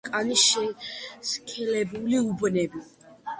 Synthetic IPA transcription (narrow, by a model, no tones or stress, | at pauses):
kʼaniʃɛskʰɛlɛbuliubnɛbi